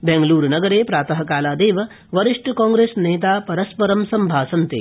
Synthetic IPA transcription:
bẽŋɡluːɾnɐɡɐɾeːpɾaːt̪ɐɦɐkaːlaːd̪eːʋɐ | ʋɐɾiʂʈɐkãːŋɡɾeːsneːt̪aːpɐɾɐspɐɾɐmsɐmbʱaːsɐnt̪ḛː

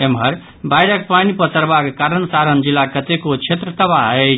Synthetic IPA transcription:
emɦəɾ | bajɾək̚panipət̪əɾbakekaɾənsaɾənd͡ʒilːakət̪ekot͡ʃʰet̪ɾət̪əbaɦə

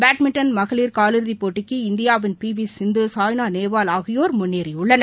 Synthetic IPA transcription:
baːʈmɪɳʈɐnmɐɣɐɭiːɾkaːlɪɾðipːoːʈːɪkːɯɪnd̪ɪjaːʋɪnpiːʋisɪnd̪ɯsaːjnaːneːʋaːlaːɣɪjoːɾmʊnːeːɾɪʊɭːɐnɐ

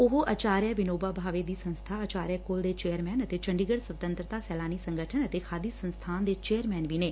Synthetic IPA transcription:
ʊɦoʔət͡ʃaːɾjəʋɪnoːbaːbʱaːʋeːd̪iːsə̃nst̪ʰaːət͡ʃaːɾjəkold̪eːt͡ʃeːəɾmɛːnət̪eːt͡ʃəɳɖiːɡəɽsʋət̪ə̃nt̪ɾət̪aːsɛːlaːniːsə̃ŋɡəʈʰənət̪eːkʰaːd̪iːsə̃nst̪ʰaːnd̪eːt͡ʃeːəɾmɛːnʋiːneː

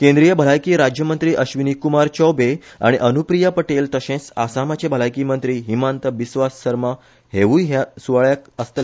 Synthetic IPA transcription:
kẽnd̪ɾijəbʱəlajkiːɾad͡ʑjəmənt̪ɾiːʔəɕʋinikumaɾt͡ɕɔwbea̰ɽ̃iʔənupɾijapəʈelt̪əɕẽsasamat͡ɕebʱəlajkiːmənt̪ɾiːɦimãnt̪əʋisʋasːəɾma | ɦeʋujɦasuʋaɭjakəst̪əl

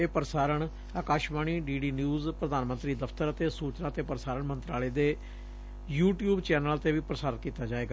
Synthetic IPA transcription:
eːpəɾsaːɾəɳ | aːkaːʃbaːɳiːɖiːɖiːnjuːzpɾəd̪aːnmə̃nt̪ɾiːd̪əpʰt̪əɾət̪eːsuːt͡ʃnãːt̪eːpəɾəsaːɾəɳmə̃nt̪ɾaːleːd̪eː | juːʈjuːbt͡ʃɛːnəlt̪eːʋiːpəɾəsaːɾənkiːt̪aːd͡ʒaːeːɡaː

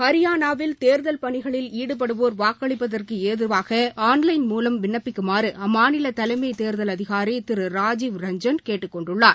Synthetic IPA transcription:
kɐɾɪjaːnaːʋɪlt̪eːɾðɐlpɐɳɪɣɐɭɪliːɽɯp̬ɐɽɯʋoːɾʋaːkːɐɭɪpːɐðɐrkɯeːðɪɾʋaːɣɐaːnlɐɪnmuːlɐmʋɪnːɐpːɪkːɯmaːɾɯʔɐmaːnɪlɐt̪ɐlɐɪmɐɪt̪eːɾðɐlɐðɪɣaːɾit̪ɪɾɯɾaːd͡ʒiːʋɾɐɲd͡ʒɐnkeːʈːɯkːɔɳɖɯɭːaːɾ

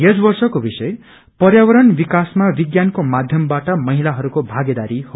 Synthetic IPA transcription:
jesbʌrsʌkobisʌe | pʌrjawʌɾʌnbikasmabiɡjankomad̪ʱjʌmbaʈʌmʌɦilaɦʌɾukobʱaɡed̪aɾiho

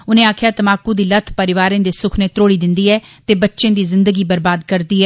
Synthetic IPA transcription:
ʊnẽːaːkʰjaːt̪əmaːkũːd̪iːlət̪ʰpəɾɪʋaːɾẽːd̪eːsʊkʰneːt̪ɾoːɽiːd̪ɪnd̪iːɛːt̪eːbətːʃẽːd̪iːzɪnd̪əɡiːbəɾbaːd̪kəɾd̪iːɦɛː

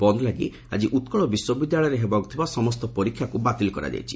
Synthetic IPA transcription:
bɔnd̪laɡḭ | a̰d͡ʒiʔut̪kɔɭɔbiswɔbid̪jaɭɔjɔɾeɦebɔɡɔt̪ʰibasɔmɔst̪ɔpɔɾikʰːjakubat̪ilɔkɔɾa̰d͡ʒa̰jt͡ʃʰi̥

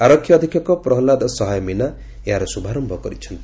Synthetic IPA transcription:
aɾɔkʰːjɔːd̪ʱikʰjɔkɔpɾɔɦlad̪ɔsɔɦajɔmina | eɦaɾɔsubʱaɾɔmbʱɔkɔɾit͡ʃʰɔnt̪i̥

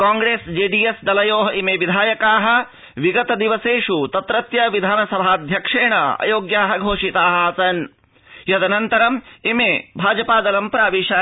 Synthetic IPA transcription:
kaːŋɡɾeːsd͡ʒeːɖiesd̪ɐlɐjoːɦɐimeʋid̪ʱaːjɐkaːɦɐ̆ | ʋiɡɐt̪ɐd̪iʋɐseːʂut̪ɐt̪ɾɐt̪jɐʋid̪ʱaːnɐsɐbʱaːɐd̪ʱjɐkʂeːɳɐɐ̰joːɡjaːɦɐɡʱoːʂit̪aːɦɐɐsɐn | jɐd̪ɐnɐnt̪ɐɾɐmimeːbʱaːd͡ʒɐpaːd̪ɐlɐmpɐɾaːʋiːʃɐ

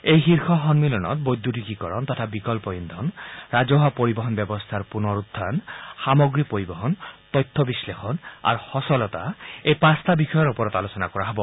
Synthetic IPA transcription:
ejɦiɾxɔɦɔnmilɔnɔ̰t̪̚bojd̪ʱːutikikɔɾɔnt̪atʰabikɔlpɔind̪ʱɔnɾad͡ʒɔɦapoɾibɔɦɔnbɛbɔst̪ʰaɾpunɔɾud̪ʱːansamɔɡɾipoɾibɔɦɔnt̪ɔjt̪ʰːɔbislexɔna̰ɾhɔsɔlɔt̪a̰ejpast̪ʰabixʰɔjɔɾupɔɾɔt̪alosɔnakɔɾaɦɔbɔ

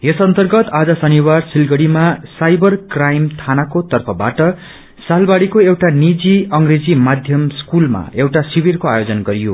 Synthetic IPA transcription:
esʌnt̪ʌrɡʌt̪ad͡zʌsʌniwarsilɡʌɽimasajbʌrkrajmt̪ʰanakot̪ʌrpʰʌbaʈʌ | salbaɽikoewʈanid͡ziʌŋɡred͡zimad̪ʱjʌmskulma̰ewʈasibirkoajod͡zʌnɡʌɾijo̰

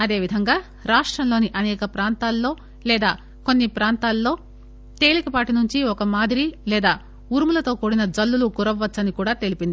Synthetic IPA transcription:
ɐd̪e̞ːʋid̪ʱɐŋɡaː | ɾaːʂʈɾɐmlo̞ːniʔɐnɛːkɐpɾaːnt̪aːlːo̞ː | lɛːd̪aː | ko̞nːipɾaːnt̪aːlːo̞ː | t̪e̞ːlikɐpaːʈinuɲt͡ʃiɔkɐmaːd̪iɾilɛːd̪aː | uɾmulɐt̪o̞ːkoːɽinɐd͡ʒɐlːulukuɾɐʋːɐt͡ʃːsɐnikuːɽaːt̪e̞lipind̪i

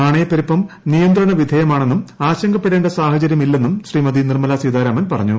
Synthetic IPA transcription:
aːɳeːpːɐɾipːɐm | nijɐnd̪rɐɳɐʋid̪ʱɐjɐmaːɳe̞nːumaːɕɐŋɡɐpːeɽeːɳɖɐsaːhɐt͡ɕɐɾjɐmilːe̞nːumɕriːmɐd̪inirmɐlaːsiːd̪aːɾaːmɐnpɐrɐɲːu

